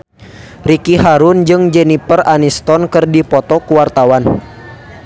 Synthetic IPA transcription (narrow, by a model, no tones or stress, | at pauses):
rikiɦaɾʊnd͡ʒɨŋd͡ʒɛnipəranist̪ɔnkɨrdipɔt̪ɔkuwart̪awan